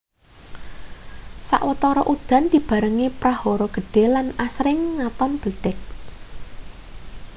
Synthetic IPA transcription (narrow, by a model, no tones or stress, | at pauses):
sa̰ʔwət̪ɔɾɔʔud̪̥a̤nd̪̥i̤b̥a̤ɾəŋepɾahɔɾɔɡ̥ə̤ɖ̥e̤lanasɾɪŋːat̪ɔnb̥ə̤ɖ̪̥ɛk̚